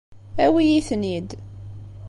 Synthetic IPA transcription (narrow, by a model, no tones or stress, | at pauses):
æwijiθnid̪